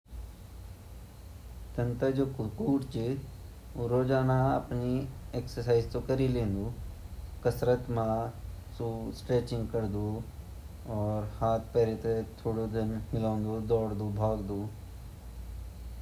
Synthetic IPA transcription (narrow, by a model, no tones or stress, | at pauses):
t̪ɐnt̪əd͡ʒoːkkuːʈt͡ʃi | uɾoːd͡ʒaːnaɐ̰pnieːksəsaːɪzt̪okəɾilẽːnd̪uːkɐsɾət̪mãsusʈɾeːt͡ʃɪ̃ŋɡkəɾd̪u | ɔːɾhaːt̪̚ʰpɛːɾet̪et̪ʰoːɽod̪ɪnmɪlãːʊ̃nd̪ud̪ɔːɽd̪ubʱaːɡd̪uː